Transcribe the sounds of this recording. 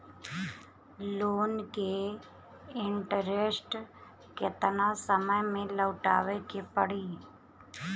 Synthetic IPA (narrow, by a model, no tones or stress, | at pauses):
loːnke | ɪɳʈəɾesʈ | ket̪ənãsəməjmẽləʊʈa̰ːʋekepəɽiː